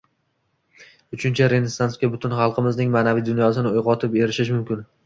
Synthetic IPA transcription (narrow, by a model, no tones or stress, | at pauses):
ʊt͡ʃʰɪnt͡ʃʰaɾe̞nesːanskʲabʊt̪ʰʊnχɑlˠqʰɨmɪznɪŋmaːnavijd̪ʊnjɒsɪnɪojʁɒt̪ʰɪpe̞ɾɪʃɪʃmʊmkʲɪn